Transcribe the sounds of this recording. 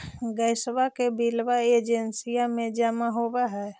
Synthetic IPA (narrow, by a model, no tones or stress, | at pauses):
ɡəɪswakebilʋaed͡ʒensijamẽd͡ʒəmaɦobaɦɛ